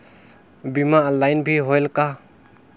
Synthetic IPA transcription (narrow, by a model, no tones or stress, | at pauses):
bimalajnbʱiɦɔjlka